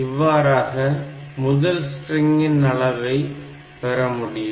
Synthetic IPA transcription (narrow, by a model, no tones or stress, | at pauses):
ɪʋːaːɾaːɣɐ | mʊðɐlsʈrɪŋɡɪnɐɭɐʋɐɪ | pɛɾɐmʊɽɪj